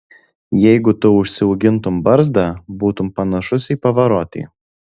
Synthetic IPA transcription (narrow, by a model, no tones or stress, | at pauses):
jɛɪɡʊt̪ʊʊʃʲsʲɪuːɡʲɪnt̪ʊmbɐɾzd̪ɑbuːt̪ʊmpɐnɐʃʊsʲiːpɐʋɐɾoːt̪ʲḭ